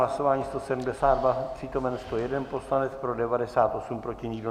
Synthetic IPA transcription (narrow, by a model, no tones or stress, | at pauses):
laso̞vaːɲiːst̪o̞sɛdum̩dɛsaːdvapr̥it̪o̞mɛnst̪ojɛdɛnpo̞slanɛt͡spɾo̞dɛvadɛsaːt̪ʔo̞sumpɾo̞cɪɲiːdno